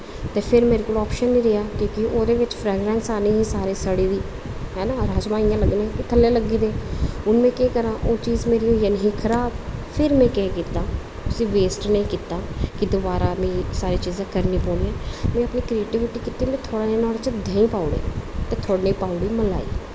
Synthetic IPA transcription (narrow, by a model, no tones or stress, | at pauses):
t̪eːpʰɪɾmeːɾekoːlɔːpʃənːĩːɾɪɦaːkõːkɪoːd̪eːʋɪt͡ʃpʰɾɛːɡɾɛ̃ːnsaːniːɦĩːsaːɾeːsəɽiːd̪iː | ɦɛːnaːɾaːd͡ʒmãːijãːləɡnãːkit̪ʰəlːeːləɡiːd̪eːʊnmẽːkẽːkəɾãːʔoːt͡ʃiːzmeːɾiːoːiaːnəɦĩːkʰəɾaːbpʰɪɾmɛ̃ːkɛ̃ːkiːt̪ːaː | ʊsĩːʋeːsʈnəĩːkit̪aːkɪd̪oːbaːɾaːmẽːsaːɾiːt͡ʃiːzãːkəɾniːpoːniːɛ̃ːmɛ̃ːəpniːkɾieːʈɪʋɪʈiːkit̪ːiːmɛ̃ːt̪ʰoːɽaːnẽnɔːɽt͡ʃəd̪ʱɛːĩːpaːuɽḛːt̪eːt̪ʰoːɽnĩːpaːʊɽiːməla̰ːḭː